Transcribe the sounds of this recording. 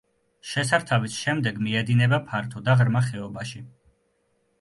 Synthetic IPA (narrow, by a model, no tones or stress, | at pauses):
ʃɛsaɾt̪ʰavisʃɛmd̪ɛɡmiɛd̪inɛbapʰaɾt̪ʰɔd̪aʁɾmaχɛɔbaʃi